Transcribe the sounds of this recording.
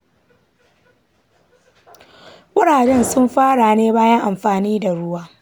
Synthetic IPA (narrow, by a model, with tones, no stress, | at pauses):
wʊ˦ɽaː˨dɛ˦nsʊ˦mɸaː˦ɽa˨neː˦baː˦jɐ˦ŋʔa˨mɸaː˨niː˦da˨ɽʊ˦waː˦